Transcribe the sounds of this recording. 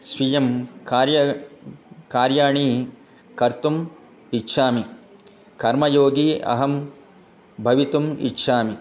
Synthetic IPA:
sɾijɐmkaːɾjɐ | kaːɾjaːɳiː | kɐɾt̪um | itːʃʰaːmi | kɐɾmɐjoːɡiːɐ̰ɦɐm | bʱɐʋit̪umḭtːʃʰaːmi

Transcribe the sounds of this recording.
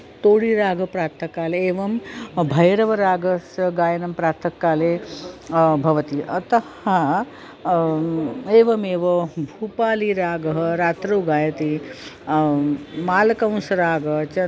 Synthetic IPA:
t̪oːɽiːɾaːɡʱɐpɾaːɾt̪ʰɐkaːleeːʋɐmbʱɐjɾɐʋɐɾaːɡɐsɐɡaːjɐnɐmpɾaːɾt̪ʰɐkːaːleː | bʱɐʋɐt̪iʔɐt̪ɐha | eːʋɐmeːʋɐbʱuːpaːliɾaːɡɐɦɐɾaːt̪ɾuːɡaːjɐt̪i | maːlkɐ̃w̃sɐɾaːɡɐt͡ʃ

